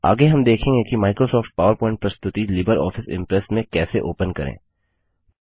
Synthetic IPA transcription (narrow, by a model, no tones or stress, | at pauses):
a̰ːɡeɦɐmd̪eːkʰẽːŋɡekimaːɪkɾosɔːfʈ̚paːʋəɾpɔːɪ̃ɳʈ̚pɾɐst̪ʊt̪ilɪbəɾɔ̰ːfʰɪsɪ̰̃mpɾɛsmẽkɛːseʔoːpənkɐ̰ɾḛ̃ː